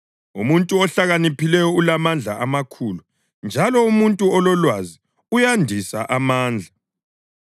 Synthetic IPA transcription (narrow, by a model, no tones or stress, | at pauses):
ṵmuntʼuɔɬaɣanipilɛjɔulamand͡ɮʱa̰ʔamakʰulu | nd͡ʒʱalɔumuntʼuɔlɔlwazi | ujandʱisaʔamaːnd͡ɮʱa